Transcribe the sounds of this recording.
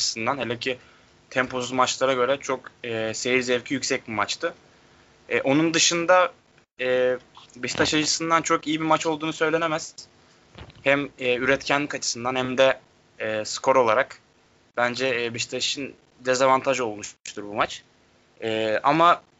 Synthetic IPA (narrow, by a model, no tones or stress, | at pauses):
ɯ̥sɯnd̪anhelʲɛcʰi | t̪ʰɛmpʰo̞suzmat͡ʃlˠaɾaɟø̞ɾɛt͡ʃʰo̞kɛːse̞jiɾzɛvcʰijycʲsɛc̚bimat͡ʃt̪ʰɯ | ɛːʔo̞nund̪ɯʃɯnd̪a | ɛːbiʃi̥t̪ʰaʃat͡ʃɯsɯnd̪ant͡ʃʰo̞kijibimat͡ʃo̞lˠd̪uːnusø̞jlʲe̞nemɛz̥ | hæmɛːyɾɛt̪cʰænlʲikat͡ʃʰɯ̥sɯnd̪anhɛmd̪ɛː | skʰo̞ɾo̞lˠaɾak | b̥ænd͡ʒɛbiʃi̥t̪ʰaʃiʃɯn | d̪ezavant̪ʰaʒo̞lˠmuʃʃt̪ʰuɾbumat͡ʃ | ɛːʔa̰ma